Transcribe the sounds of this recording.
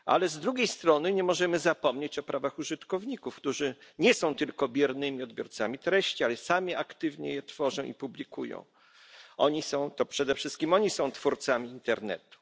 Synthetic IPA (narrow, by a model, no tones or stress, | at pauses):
a̰lɛzd̪ɾuɡʲejst̪ɾɔnɘɲɛmɔʐɛmɘzapɔmɲet͡ɕɔpɾʔavaxuʐɘt̪kɔvɲikufkt̪uʐɘɲɛsɔ̃w̃t̪ɘlkɔbʲjɛɾnɘmʲiɔd̪bjɔɾt̪samʲit̪ɾɛɕt͡ɕialɛsamʲiakt̪ɘvɲɛ̰jɛt̪fɔʐɔ̃w̃ḭpublʲikujɔ̰̃w̃ | ɔɲisɔ̃w̃t̪ɔpʂɛd̪ɛfʂɘst̪̚kʲimɔɲisɔ̃w̃t̪fuɾt̪samʲiːnt̪ɛɾnɛ̰t̪u̥